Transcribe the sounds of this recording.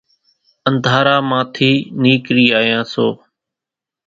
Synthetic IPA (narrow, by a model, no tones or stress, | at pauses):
ənd̪ʱaːɾaːmãːt̪ʰiːniːkɾiːaːjãːsoː